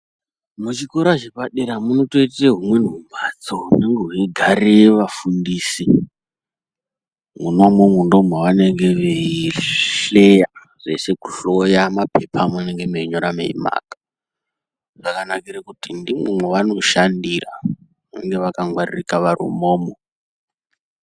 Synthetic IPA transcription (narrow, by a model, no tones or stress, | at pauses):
mut͡ʃiko̞ɾaʒepaɗeɾamunoto̞iteɦumwe̞n̤umbad͡zoune̞ŋɡeɦuiɡʱaɾeʋafundiːsi | muno̞momundo̞mwoʋane̞ŋɡe̞ʋeiiɬe̞ja | ʐe̞̰se̞ku̥ɬojamapʰepʰamune̞ŋɡe̞meiɲo̞ɾamḛḭma̰ːkḁ | ʐakanakirakutindimumweʋano̞ʃandira | nḛŋɡe̞ʋakaŋwaririkaʋarṵmoːmo